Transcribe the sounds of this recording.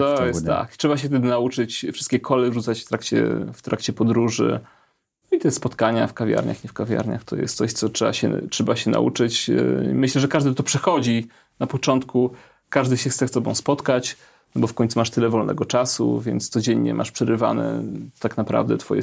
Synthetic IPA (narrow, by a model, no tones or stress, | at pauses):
t̪ɔjɛsa̰ktʂɛbaɕ̬ɛft̪ɛd̪ɘnaut͡ʂɘt͡ɕfʂɨst̪̚kʲɛkʰɔlɛʐut̪sat͡ɕft̪ɾakt͡ɕɛ̰ft̪ɾakt͡ɕɛpɔd̪ɾuʐɘ̰ | nɔit̪ɛspɔt̪kaɲa̰fkavʲja̰ɾɲa̰xiɲɛfkavʲja̰ɾɲa̰xt̪ʰɔ̰jɛ̰st̪sɔɕt̪sɔtʂɛbaɕɛ̰tʂɛbaɕɛna̰ʔṵt͡ʂɘt͡ɕmɘɕlɛʐɛkaʐd̪ɘt̪ɔpʂɛxɔd͡ʑi | napɔt͡ʂɔnt̪ku | kaʐd̪ɘɕɛxssɛst̪ɔbɔ̰̃w̃spɔt̪kat͡ɕ | nɔbɔfkɔɲ̃t̪sumaʂt̪ɘlɛvɔlnɛ̰ɡɔt͡ʂasṵvʲjɛ̰nt̪st̪sɔd͡ʑɛɲːɲɛ̰ma̰ʂpʂɛɾɘva̰nɛ̰t̪aknapɾa̰vd̪ɛt̪fɔ̰jɛ̰